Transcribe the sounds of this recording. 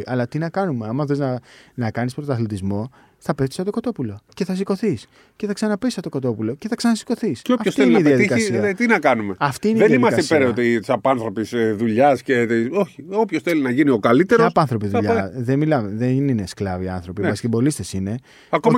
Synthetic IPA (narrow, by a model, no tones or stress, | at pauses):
ʔɐlɐt̪inɐkɐnume̞ɐmɐθeznɐnɐkɐnispɾot̪ɐθlet̪izmo̞ | θɐpet̪isɐt̪okɐt̪o̞pulo̞ce̞θɐs̬iko̞θis | ce̞θɐksɐnɐpesɐt̪o̞kɐt̪o̞pulo̞ce̞θɐksɐnɐsi̥ko̞θisoɐfçoseineiðeiɐðikɐsiɐt̪inɐkɐnume̞ɐft̪iineiðenðnimɐsɐsepeɾot̪it̪isɐpɐnθɾo̞pisðuʎɐsce̞t̪iso̞çiopçosθe̞linɐʝinio̞kɐlit̪eɾoɐpɐnθɾo̞p̬iðuʎɐðenmilɐmeðenine̞sklɐviɐ̰nθɾo̞piɐsi̥kebo̞list̪e̞sine̞ | ɐkoɐ